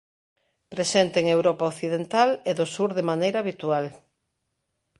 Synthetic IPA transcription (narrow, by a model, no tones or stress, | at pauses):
pɾesent̪eːŋewɾɔpaokθiðent̪aleðʊsuɾðemanejɾaːβit̪ual